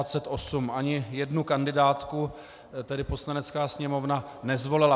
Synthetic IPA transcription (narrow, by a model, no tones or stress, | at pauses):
at͡sɛt̪ʔo̞sumʔaɲɪjɛdnukandɪdaːt̪ku | t̪ɛdɪpo̞slanɛt͡skaːsɲɛmo̞vna | nɛzvo̞lɪla